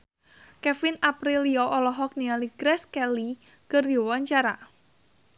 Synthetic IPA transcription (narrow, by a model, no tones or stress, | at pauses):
kɛfɪnapɾiliɔʔɔlɔɦɔk̚niŋaliɡ̥ɾɛskɛli | kərdowaɲt͡ʃaɾa̰